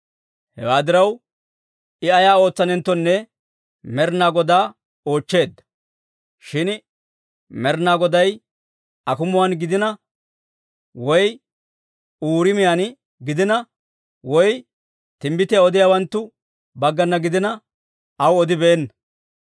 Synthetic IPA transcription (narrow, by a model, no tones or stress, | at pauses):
hɛ̰waːd̪ɪɾɐw | ɪɐjaːo̞ːt͡sːɐnɛnt̪ːɔnːɛ | mɛɾnaːɡɔd̪aː | o̞ːt͡ʃːe̞ːd̪ːɐ̥ | ʃɪn | mɛɾnaːɡɔd̪ɐj | ɐkʊmʊwanɡɪd̪ɪnɐ | wɔj | uːɾɪmɪjan | ɡɪd̪ɪnɐ | wɔj | t̪ɪmbɪt̪ɪjaɔd̪ɪjaːwɐnt̪ːʊ | bɐɡːɐnːɐɡɪd̪ɪnɐ | ɐwɔd̪ɪbeːnːɐ